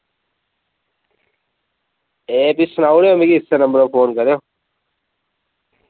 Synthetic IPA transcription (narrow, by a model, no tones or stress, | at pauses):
eːpisnaːuɽejoːmekiɦɪsːenəmbəɾoːpʰoːnkəɾeõː